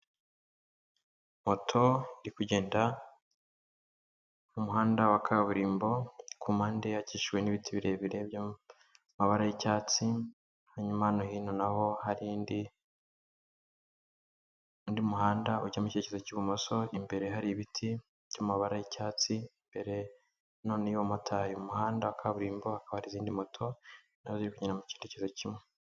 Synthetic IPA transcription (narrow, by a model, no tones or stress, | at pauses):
mo̞tʰo̞iɾikuɟe̞ːnda | mumuɦaːndawakʰaβuɾiːmbo̞kumaːndejaciːʃwe̞niːβitʰiβiɾe̞βiɾe̞bja | maβaɾajicaːt͡si | haɲumanohiːnonaho̞haɾindi | ndimuhaːndaʔṵɟamuce̞cezocuβumoso̞imbe̞ɾe̞ɦaɾiβitʰi | b̥ɟamaβaɾajicaːt͡simbe̞ɾe̞ | no̞ːnewomotʰajomuhaːndaakʰaβuɾiːmbo̞hakaβahaɾiziːndimo̞tʰo̞ | naoziɾikuɲenamucindecezocimwe